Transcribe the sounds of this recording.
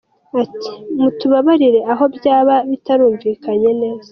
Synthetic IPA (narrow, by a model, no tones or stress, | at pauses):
ati̥mutuβaβaɾiɾe̞ʔaɦo̞bjaːβaβitaɾuːɱviːkaɲe̞ne̞ːzḁ